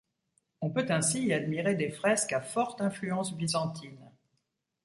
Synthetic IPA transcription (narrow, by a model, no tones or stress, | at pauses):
ɔ̃pøt̪ɛ̃siːad̪miʁed̪efχɛskafɔʁt̪ɛ̃flyɑ̃sbizɑ̃t̪ʰin